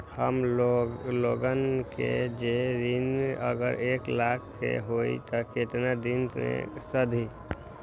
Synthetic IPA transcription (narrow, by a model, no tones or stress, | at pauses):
həm | loɡənkḛd͡ʒed̪inə̰ɡəɾeklakʰːḛɦoit̪ɔket̪nad̪inḛsəd̪ʱi